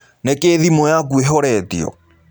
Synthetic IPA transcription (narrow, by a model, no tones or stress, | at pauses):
nekeðimɔjak̬ueɦɔɾɛtḭɔ̰